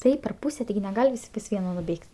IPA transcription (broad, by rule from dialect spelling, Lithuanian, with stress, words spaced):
ˈtɐɪp pʲɛr ˈpuːsʲɛ tʲɪˈɡʲɪ nʲɛˈɡɐlʲ ˈʋʲɪsʲ pɐs ˈʋʲiɛnoː nʊˈbʲeːkʲtʲ